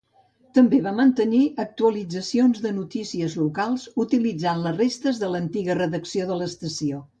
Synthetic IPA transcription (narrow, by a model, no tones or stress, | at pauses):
t̪əmbeβamənt̪əniʔək̚t̪uəlid͡zəsionzðənut̪isiəzlukalˠzut̪ilid͡zanlərest̪əzðələnt̪iɣərəðəksioðələst̪əsio